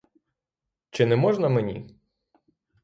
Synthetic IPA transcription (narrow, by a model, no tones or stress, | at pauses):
t͡ʃɪnɛmɔʒnɐmenʲḭ